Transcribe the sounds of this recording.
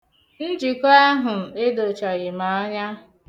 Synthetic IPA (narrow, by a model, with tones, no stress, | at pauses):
n̩˦d͡ʒi˨ko˦a˦ɦʊ˨e˦do˨t͡ʃɔ˨ɣɪ˨ma˨ɔ˦ɲa˦